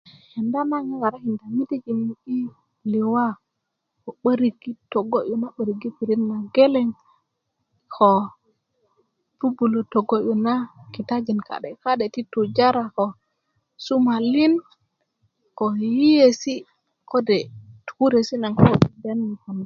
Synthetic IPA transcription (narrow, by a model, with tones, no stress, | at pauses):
he˨nda˦na˦ŋe˦wa˨ɾa˦hi˨nda˨mi˦te˦d͡ʒi˨mi˨i˦ | li˨wa˦ | ko˨ɓə˦ɾi˨ɡi˦to˨ɡo˦ʔo˨na˦ɓə˨ɾi˨ɡi˦pi˨ɾi˦nːa˨ɡe˦le˦ŋ | kʰo˨ | pu˦bu˨lo˨to˨ɡo˦ʔo˨na˦ki˨ta˦d͡ʒi˨nka̰˨ɗe˨ka˦ɗe˨ti˦tu˨d͡ʒa˦ɾa˨ko˨ | su˦ma˨li˦n | ko˨ji˦je˨si˦ | ko˦de˨tu̥˨ku˦ɾe˨si˦na˨ŋko˦˨be˦n˨ŋka˨n˨